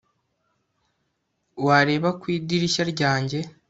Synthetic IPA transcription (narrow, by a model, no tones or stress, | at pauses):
waɾe̞ːβakwiːdiɾiʃaɾɟaːɲɟe̞